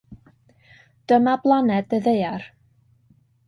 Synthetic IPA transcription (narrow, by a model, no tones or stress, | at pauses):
d̥əmablˠanɛdəðeɨar